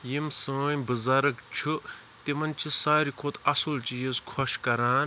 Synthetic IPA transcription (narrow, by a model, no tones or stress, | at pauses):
jimsɨːjbɨzaːɾɐkt͡ʃʰu | t̪imɐnt͡ʃʰisaːɾikʰot̪ʰɐsult͡ʃijizkʰɔʃkɐɾaːn